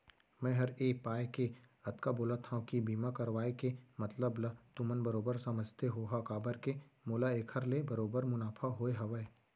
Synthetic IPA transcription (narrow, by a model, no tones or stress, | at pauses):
mɛ̃ɦɐɾeːpaːjke | ɐt̪kaboːlat̪ʰãkibiːmakɐɾʋaːekemɐt̪ləblɐt̪ʊmənbɐɾoːbəɾsɐməd͡ʒʱt̪eɦoːɦakaːbəɾkemoːlaeːkʰəɾlebɐɾoːbəɾmʊnaːpʰaɦoːeɦɐʋəe